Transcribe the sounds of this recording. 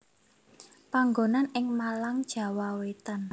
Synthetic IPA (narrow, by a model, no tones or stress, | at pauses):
paŋɡonanɪŋmalaŋd̥ʒ̥ä̤wawet̪an